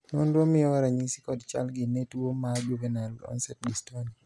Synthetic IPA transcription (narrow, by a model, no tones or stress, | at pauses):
nondwomɪjɔwaɾaɲisi̥kɔdt͡ʃa̰lɡɪnetwomad͡ʒuvɛnalɔ̰nsɛt̚distɔni